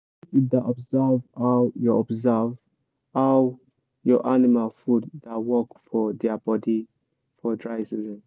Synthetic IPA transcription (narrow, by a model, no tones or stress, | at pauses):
id̪aʔɔbzavajɔɔbzav | aw | jɔʔanimalfuddawɔkfɔdɛabɔdi | fɔdɹajsizɛ̃n